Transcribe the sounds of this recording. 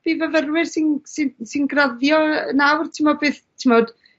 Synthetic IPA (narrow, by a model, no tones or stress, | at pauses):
b̥ivəvərwɪrsɪnsɪnsɨnɡraðjɔənawrtʰɪmɔbɨːθtʰimɔd̥